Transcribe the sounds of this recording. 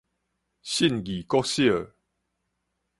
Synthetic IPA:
ɕi˥˨nɡi˨˩kɔ˦ɕi˦ə˨

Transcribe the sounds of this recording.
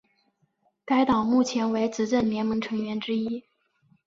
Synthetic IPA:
ka˥ɪt̪ɑ˨˩ʊmu˥˩t͡ɕʰjɛ˧˥nwe˧˥ɪt͡sɹ̩˧˥ʈ͡ʂə˥˩nljɛ˧˥nmɤ˧˥ŋʈ͡ʂʰɤ˧˥ŋɥɛ˧˥nʈ͡ʂɻ̩˥i˥

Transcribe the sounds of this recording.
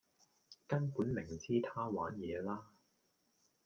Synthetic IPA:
kɐ˥npuː˨˥nmɪ˨˩ŋt͡sʰiː˥t̪ʰaː˥wa̰ː˨˥njɛː˨˧laː˥

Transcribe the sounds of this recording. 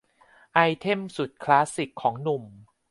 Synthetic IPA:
ʔa˧jt̪ʰe˥˩msu˨˩t̪̚kʰlaː˦˥si˨˩kʰːɔː˩˦ŋnu˨˩m

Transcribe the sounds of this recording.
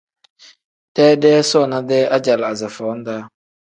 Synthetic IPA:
d̥ɛː˦dɛː˦sɔ˦˨na˦dɛ˦ʔa˦d͡ʒa˨la˨za˨fɔ˨˦n̩˦daː˦

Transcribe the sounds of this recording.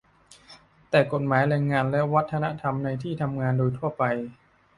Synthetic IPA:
t̪ɛː˨˩ko˨˩t̪̚maː˩˦jɾɛː˧ŋːaː˧nlɛ˦˥wa˦˥t̪ʰːa˧na˦˥ʔt̪ʰa˧mna˧jt̪ʰiː˥˩t̪ʰa˧mŋaː˧ndoː˧jt̪ʰu˥˩ɐpa˧j

